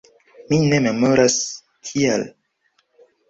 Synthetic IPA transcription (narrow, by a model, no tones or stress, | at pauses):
mine̞me̞mo̞ɾas | tʰia̰l